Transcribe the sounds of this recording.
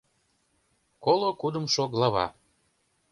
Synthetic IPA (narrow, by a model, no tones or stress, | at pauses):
kolˠokud̪əmʃoɣlɑβɑ̰